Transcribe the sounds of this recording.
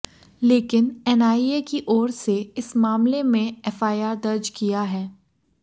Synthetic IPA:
leːkɪnɛːnaːiekiʔɔːɾseɪsmaːmlemẽɛːfaːjaːɾd̪ɐɾd͡ʒkijaɦɛː

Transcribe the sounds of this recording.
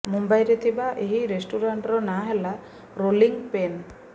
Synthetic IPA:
mumbajɾet̪ʰibaʔeɦiɾesʈuɾaɳʈɾɔnaɦela | ɾoliŋpen

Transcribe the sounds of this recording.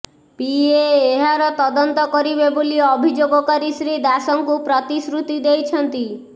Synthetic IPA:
pieːɦaɾɔt̪ɔd̪ɔnt̪ɔkɔɾibeboliɔbʱid͡ʒoɡɔkaɾisɾid̪asɔŋkupɾɔt̪isɾut̪id̪ejt͡ʃʰɔnt̪i

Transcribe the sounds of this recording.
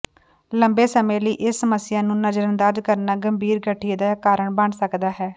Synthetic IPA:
ləmbeːsəmẽːləiːʔɪsːəməsːɪjaːnũːnəd͡ʒɾənd̪əɾd͡ʒkəɾnaːɡəmbʱiːɾɡəʈʰːid̪aːkaːɾəɳbəɳsəkd̪aːɦɛː

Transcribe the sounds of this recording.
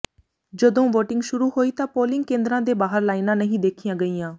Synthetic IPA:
d͡ʒəd̪õːʋoːʈɪŋɡʃʊɾuːɦoːiːt̪ãːpoːlɪŋɡkẽːnd̪ɾãːd̪eːbaːɦəɾlaːinãːnəɦĩːd̪eːkʰijãːɡəiːjãː

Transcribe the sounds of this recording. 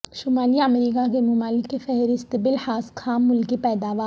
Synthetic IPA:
ʃʊmaːliɐmɾiːkakemʊmaːlɪkːefɛɦɾɪst̪bɪlhaːskʰaːmːʊlkipɛːd̪aːʋaː

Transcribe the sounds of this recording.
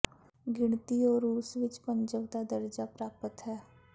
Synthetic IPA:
ɡɪɳt̪iɔːɾuːsʋɪt͡ʃpəɲd͡ʒəʋd̪ad̪əɾd͡ʒapɾaːpət̪ɦɛː

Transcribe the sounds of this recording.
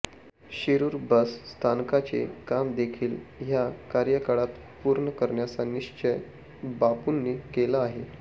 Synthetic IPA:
ɕiɾuːɾbəsːt̪ʰankat͡sḛkamd̪ekʰiːlɦjakaɾjəkaɽat̪ | puɾɳəkəɾɳjat͡saniɕt͡ɕəj | bapunːiːkelaːɦe

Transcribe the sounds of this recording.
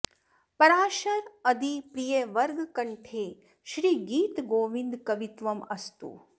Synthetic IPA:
pɐɾaːʃɐɾɐd̪ipɾijeʋɐɾɡkɐɳʈʰeː | ʃɾiːɡiːt̪ɡoːʋind̪kɐʋit̪ʋɐmɐst̪ṵ

